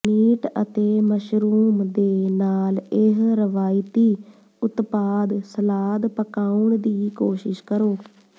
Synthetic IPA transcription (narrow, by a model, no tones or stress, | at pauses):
miːʈə̰t̪eːməʃɾuːmd̪eːnaːlɪɦɾəʋaːɪt̪iː | ʊt̪paːd̪səlaːd̪pəkaːʊɳd̪iːkoːʃɪʃkəɾoː